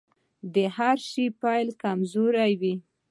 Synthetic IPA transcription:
d̪əhaɾʃipajlkamzoɾajwi

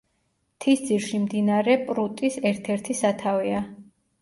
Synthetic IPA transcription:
t̪ʰisd̪ziɾʃimd̪inaɾɛpʼɾut̪ʼisɛɾt̪ʰɛɾt̪ʰisat̪ʰavia

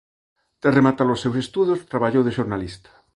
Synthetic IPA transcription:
t̪ɾaremat̪aɾlosːewsest̪uðost̪ɾaβaʎowðeʃoɾnalist̪ḁ

